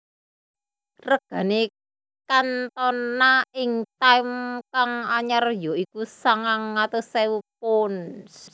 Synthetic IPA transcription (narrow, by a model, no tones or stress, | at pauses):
rəɡ̥ä̤ne | kant̪ɔnːaɪŋt̪ajmkaŋaɲarjɔikusaŋaŋːat̪osɛwup̚ʊns